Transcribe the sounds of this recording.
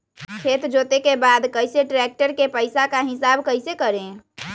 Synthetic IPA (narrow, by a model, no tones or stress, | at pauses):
kʰeːt̪d͡ʒoːt̪ekebaːd̪kəɪseʈɾɛːk̚ʈəɾkepəɪsakaɦɪsaːbkəɪsekəɾẽ